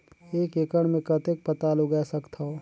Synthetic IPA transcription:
eːkekəɽmẽkət̪ek̚pət̪aːluɡɛsəkt̪ʰao

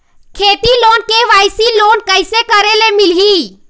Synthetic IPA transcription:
kʰeːʈ̪iloːnkeʋaːjsiloːnkəɪsekəɾelemilɦi

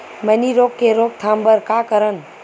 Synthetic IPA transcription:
məniɾokːeɾoːk̚t̪ʰambəɾkakəɾən

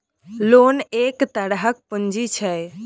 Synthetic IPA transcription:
lonekt̪əɽɦək̚pənd͡ʒit͡ʃʰəj

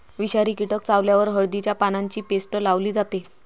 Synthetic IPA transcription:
ʋiɕaɾiːkiʈək̚t͡saʋljaʋəɾɦəɭd̪it͡ɕjapanaɲt͡ɕiːpesʈəlaʋliːd͡zat̪e

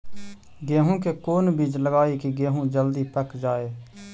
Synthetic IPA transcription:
ɡeːɦũkekoːnbiːd͡ʒləɡaːikiɡeːɦũd͡ʒəld̪iːpəkd͡ʒaːeː

